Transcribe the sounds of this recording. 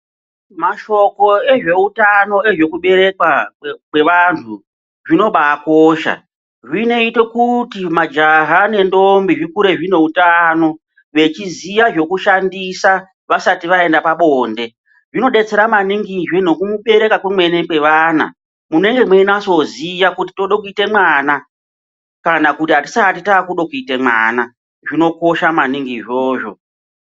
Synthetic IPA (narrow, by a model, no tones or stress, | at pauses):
maʃo̞ko̞e̞ʐe̞utano̞e̞ʐe̞kuɓe̞ɾe̞kwakwe̞ʋantʰu | ʐino̞ɓaːkoːʃa̰ | ʐine̞ite̞kutimad͡ʒaɦane̞ndo̞mbiʐikuɾe̞ʐine̞utano̞ | ʋe̞t͡ʃizijaʐo̞kuʃandisa | ʋasatiʋae̞ndapaɓo̞ːnde̞ | ʐino̞ɗe̞t͡se̞ɾamaniŋɡiʐweno̞kumuɓe̞ɾe̞kakwemwe̞ne̞ke̞ʋaːna̰ | mune̞ŋɡe̞mweinaso̞zijakuti̥toɗokuite̞mwaːna | kanakutiɦati̥satitakuɗo̞kuite̞mwa̰ːna | ʐino̞ko̞ʃamaniŋɡiʐoːʐo̞̰